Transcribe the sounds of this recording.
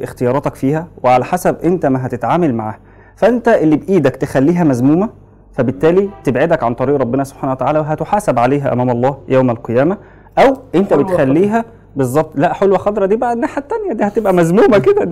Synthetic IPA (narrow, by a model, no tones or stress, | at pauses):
ʔext̪ejɑːɾˤɑːt̪ɑkfiːhæweʕalæħasæbʔent̪æmæɦæt̪et̪ʕaːmælma̰ʕa̰ːh | fæʔent̪æʔelːibʔiːd̪ækt̪exælːiːɦæmæzmuːmæ | fæbet̪ːæːlit̪ebʕed̪ækʕant̪ˤɑɾiːʔɾˤɑbːenæsob̥ħaːnæwæt̪aʕaːlæweɦæt̪oħaːsæbʕaleːɦæʔæ̰mæːmɑlˤːɑːjæwmælqejæːmæ | ʔæwʔent̪æbet̪xælːiːɦæ | bezˤːɑb̚t̪ˤlæʔħolwæxɑd̪ɾˤɑd̪iːbaʔænːaħat̪ːænjæd̪iːhæt̪ebʔæmæzmuːmæked̪æ